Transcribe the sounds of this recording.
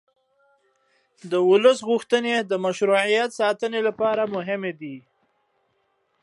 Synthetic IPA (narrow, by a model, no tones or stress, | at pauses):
d̪əwʊləsɣuxt̪əned̪əmaʃɾuʕijat̪sɑt̪ənelapɑɾamʊɦɪmed̪i